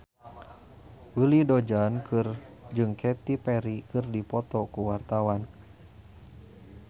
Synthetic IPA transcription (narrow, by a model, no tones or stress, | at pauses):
wilidod͡ʒankɨrd͡ʒɨŋkʰɛt̪ipɛɾikɨrdipɔt̪ɔkuwart̪awan